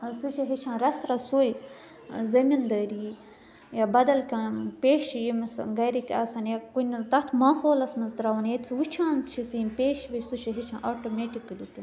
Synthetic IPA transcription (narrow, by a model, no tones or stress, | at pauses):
sut͡ʃʰiɦit͡ʃʰãːɾɐsɾɐsuːj | zɐmind̪əːɾi | jabɐd̪ɐlkʲãpʲeːʃjimisɡɐɾikʲaːsanjakunʲt̪ɐt̪ʰmaːɦoːlɐsmɐnzd̪ɾawɐnjet̪t͡sʰiwut͡ʃʰãːnt͡st͡ʃʰisijimpeːʃʋesut͡ʃʰiɦit͡ʃʰã̰ːʔoːʈomeʈikɐlʲit̪ʲin